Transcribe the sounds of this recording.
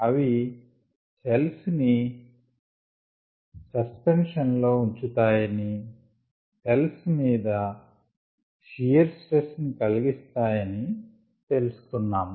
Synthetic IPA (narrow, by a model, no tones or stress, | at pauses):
ɐʋi | selsni | sɐspenʂɐnlo̞ːuɲt͡ʃut̪aːjɐni | telsmiːd̪ɐ | ʃijɐɾsʈesnikɐliɡist̪aːjɐni | t̪e̞lusu̥kunːaːmu